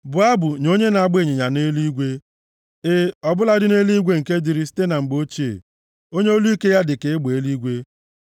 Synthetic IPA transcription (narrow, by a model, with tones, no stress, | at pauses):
bʊ˨a˦bʊ˨ɲo˦ɲe˦na˨˦˨ɡ͡be˦˨ɲe˨ɲa˨ne˦li˦ɡʷe˦ | e˦ɔ˨bʊ˦la˦dɪ˦ne˦li˦ɡʷe˦ŋ̩˨ke˦di˦ɾi˦si̥˦te˦na˨ŋ͡m̩˨ɡ͡bo˦t͡ʃḛ˨ | o˦ɲe˦o˦lu˦i˦ke˦ja˦dɪ˨ke˨ɪ˦ɡ͡be˨˦li˦ɡʷe˦